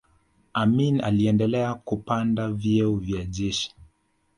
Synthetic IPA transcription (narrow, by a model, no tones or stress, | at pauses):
amina̰liɛndɛlɛakupandavjɛuvjaʄɛʃi̥